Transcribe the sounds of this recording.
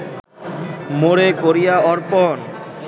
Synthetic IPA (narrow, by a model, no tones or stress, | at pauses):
moɽekoɾijaɔɾpɔn